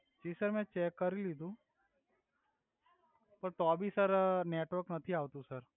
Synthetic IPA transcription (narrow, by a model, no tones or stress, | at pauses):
t͡ʃiːsəɾmɛ̃t͡ʃɛːkːɐɾiliːd̪ũ | pɐɾt̪oːbʱisəɾneːʈʋəɾknɐt̪ʰiaːʋt̪ũsəɾ